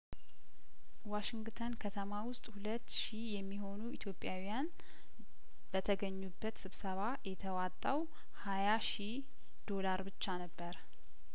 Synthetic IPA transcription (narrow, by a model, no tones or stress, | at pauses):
waʃɪŋɡt̪ʰənkʰət̪ʰəmawʊst̪ʼhulət̪ːʃijɛmːiɦo̞nuit̪ʰjo̞pʼːjawijan | b̥ət̪ʰəɡəɲːubːət̪sɨβsəβajɛt̪ʰəwat̪ʼːaw | hajaʃi | d̪̥o̞laɾbɨt͡ʃːanəbːəɾ